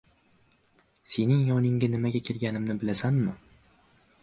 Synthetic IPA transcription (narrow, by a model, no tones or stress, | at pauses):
se̞nɪŋjɒnɪŋɡʲanɪmaɡʲakʲʰelɡʲanɪmnɪbɪlasanmɪ